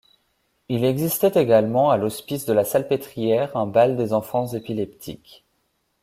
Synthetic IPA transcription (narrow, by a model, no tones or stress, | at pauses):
ilɛɡzist̪ɛt̪eɡalmɑ̃alɔspisd̪əlasalpet̪χijɛʁɛ̃bald̪ezɑ̃fɑ̃zepilɛpt̪ʰḭk